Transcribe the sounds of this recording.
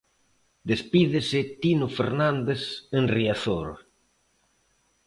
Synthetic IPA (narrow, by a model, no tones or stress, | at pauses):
d̪espiðɪsɪt̪inʊfeɾnãnd̪esenriaθoɾ